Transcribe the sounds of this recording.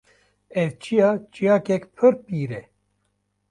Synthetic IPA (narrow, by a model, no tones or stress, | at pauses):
ɛvt͡ʃʰijɑt͡ʃijɑːkɛkpʰɨɾpiːɾɛ